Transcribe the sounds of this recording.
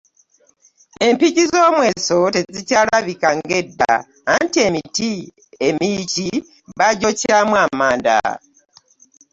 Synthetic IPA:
e̞mpiɟizo̞ːmwe̞ːso̞te̞zicaːlaβikaŋɡe̞dːa̰ː | ntie̞miti | emici | βaɟocaːmwamaːnda̰

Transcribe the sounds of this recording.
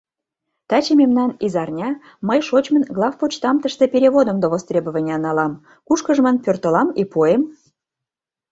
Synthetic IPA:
t̪ɑt͡ɕememnɑnizɑrnʲɑ | məjʃot͡ɕmənɡlˠɑfput͡ɕt̪ɑmt̪əʃt̪epʲeɾʲeβod̪ə̆md̪oβost̪ɾʲebə̆βə̆nʲɑnɑlɑm | kuʃkəʒmənpʲørt̪ə̆lɑmipojem

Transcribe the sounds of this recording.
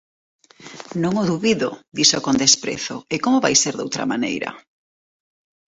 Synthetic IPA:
nõŋoðuβiðoðisokond̪espɾḛθo̰ekomoβajseɾðo̰wt̪ɾɐ̰manḛjɾɐ̰

